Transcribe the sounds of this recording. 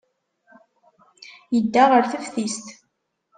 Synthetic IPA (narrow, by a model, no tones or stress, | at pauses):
jəd̪ːaʁəɾθəfθist̪